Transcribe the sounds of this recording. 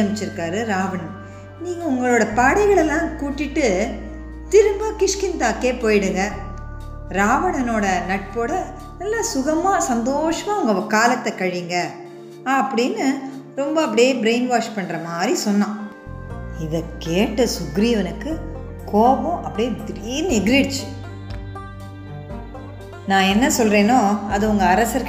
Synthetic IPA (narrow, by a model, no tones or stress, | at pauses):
ɐmɪt͡ʃːɪɾɯkːaːɾɯɾaːʋɐɳɐ | niːŋɡɐʊŋɡɐɭoːɽɐpaːɽɐɪɣɐɭɛlːãːkuːʈːɪʈːɯ | t̪ɪɾɯmbaːkɪʂkɪnt̪aːkeːpoːjɪɽɯŋɡɐ | ɾaːʋɐɳɐnoːɽɐnɐʈ̚poːɽɐ | nɐlːaːsʊɣɐmaːsɐnd̪oːʂɐmaːʊŋɡɐkaːlɐt̪ːɐkɐɻiŋɡɐː | pːɐɽɪnːɯ | ɾɔmbɐɐp̬ːɐɽɪjeːbɪɾeɪnʋaːʂpɐɳːɾɐmaːd̪ɾisɔnːãː | ɪðɐkeːʈːɐsʊɣɪɾɪjɐʋɐnɯkːɯ | koːbɐ̃ʔɐpːɐɽɪjeːd̪ɪɾɪnɛɡɪɾiɽt͡ʃːɯ | nãːɛnːɐsɔlreːnoːɐðɯʊŋɡɐːɾɐsɐɾ